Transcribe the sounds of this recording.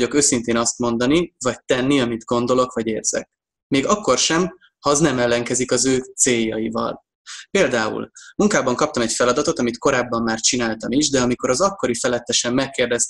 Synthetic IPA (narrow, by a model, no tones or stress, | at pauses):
o̞køːsint̪eːnɒst̪mo̞nd̪ɒnivɒc̚t̪ɛnːiɒmid̪ɡo̞nd̪o̞lo̞kvɒɟeːrz̥ɛ̰k̚ | meːɡɒkːo̞rʃɛm | hɒznɛmɛlːɛŋkɛzikɒzøːt̪seːjːɒjivɒ̰l | peːld̪aːṵlmuŋkaːbɒŋkɒpt̪ɒmɛcfɛlɒd̪ɒt̪o̞t̪ɒmit̪ko̞ɾaːbːɒmːaːrt͡ʃinaːlt̪ɒmiʒd̪ɛɒmiko̞ɾɒzɒkːo̞ɾifɛlɛt̪ːɛʃɛmːɛkːeːrd̪ɛst̪